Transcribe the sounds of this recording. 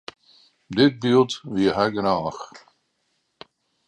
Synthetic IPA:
dɪt̚bylˠtʋiəɦɛɡənaːx

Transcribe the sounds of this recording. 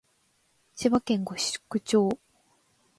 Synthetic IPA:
t͡ɕiβakẽŋɡoɕɨ̥kːɯ̟t͡ɕoː

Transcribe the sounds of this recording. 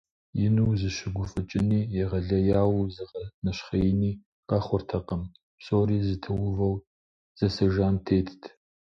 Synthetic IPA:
jɪnuwzɨʃɪɡʷʊfʼɨt͡ʃʼɪniːjɛʁɐɮɐjaːwzɨʁɐnɐʃχɐjɪniː | qʼɑχʷʊrtʰɐqʼɐm | pɕʼoːɾiːzɨtʰɨwʊvɐw | z̥ɐsɐʒaːntʰeːtʰtʰ

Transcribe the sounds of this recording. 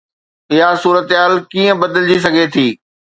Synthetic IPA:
ɪɦasuːɾət̪ɦaːlkiːə̃bɐd̪əld͡ʑis̬ɐɡʱet̪ʰiː

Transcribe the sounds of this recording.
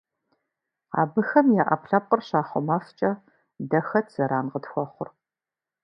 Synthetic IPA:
a̰ːbɨxɐmjaːʔɐ̰pɬɐp̚qʼərɕaːχʷɔmaft͡ʃʼɐ | dɐxɐtʰz̥ɐɾaːnqətxʷɔχʷʊr

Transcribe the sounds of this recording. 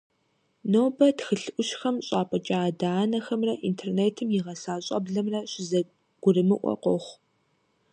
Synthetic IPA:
noːbɐtxɨɬɨʔʷʊʃxɐmɕʼaːpʼɐt͡ʃʼaːdaːnɐxɐmrɐʔḭntʰeːrneːtʰɨmjɪʁɐsaːɕʼɐ̰bɮɐmrɐɕɪzɐ | ɡ̥ʷʊrɨmɨʔʷɔ̰qʷɔχʷ

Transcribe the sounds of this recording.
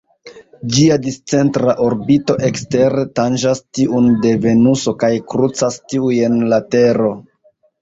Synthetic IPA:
d͡ʒiadist͡se̞ntɾaʔo̞ɾbito̞ʔe̞kste̞ɾetand͡ʒastiʔunde̞ve̞nuso̞kajkɾut͡sastiuje̞nlate̞ɾo̞

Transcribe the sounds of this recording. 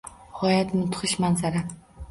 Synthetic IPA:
hɒjat̪mɪt̪ʰʊ̥χɪʃmanzaɾa

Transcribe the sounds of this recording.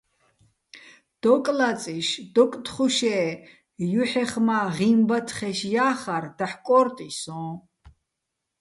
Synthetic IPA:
d̪̥ɔkʼlat͡sʼiʃd̪̥ɔkʼt̪χuʃɛː | juħɛχmaʁimbat̪ʰχɛʃjaːχaɾd̪̥aħkʼɔɾt̪ʼisɔ̃ː

